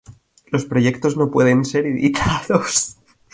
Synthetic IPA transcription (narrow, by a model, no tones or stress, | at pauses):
lo̞spɾo̞ʝe̞k̚t̪o̞zno̞pwe̞ðe̞nse̞ɾiðḭt̪ʰaðos